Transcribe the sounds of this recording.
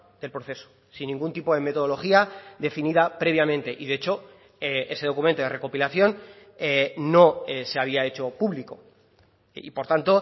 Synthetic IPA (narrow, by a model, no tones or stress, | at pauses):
d̪e̞lpɾoθe̞so̥ | sinːĩŋɡunt̪ipo̞ðe̞me̞t̪o̞ðo̞lo̞xiaðe̞finiðapɾe̞β̞jamẽnt̪e̞ʔiðeet͡ʃo̞ | e̞se̞ð̞o̞kument̪oðere̞ko̞pilaθjo̞n | eːo̞ese̞aβ̞iae̞t͡ʃo̞puβliko̞ | ipo̞ɾt̪ant̪o̞